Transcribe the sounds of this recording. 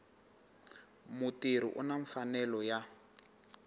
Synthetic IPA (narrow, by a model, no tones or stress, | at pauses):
mutiɾ̤ḭʔṵnaɱfanɛlɔja